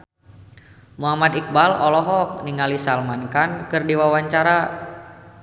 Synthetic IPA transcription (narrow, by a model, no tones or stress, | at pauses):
muɦamat̪ik̚balɔlɔɦɔk̚niŋalisalmankankɨrdiwawaɲt͡ʃaɾa